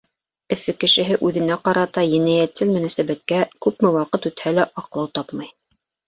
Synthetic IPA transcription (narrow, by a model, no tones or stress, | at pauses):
ɘ̆fɘkɘ̆ʃɘ̆ɦɘʔʉðɘ̆næqɑɾɑt̪ɑjɘ̆næjæt̪sɘlmɵ̆næsæβæt̪kækʉpmɘwɑqɤt̪ʉt̪hælæʔɑqlˠɑwt̪ɑpmɑj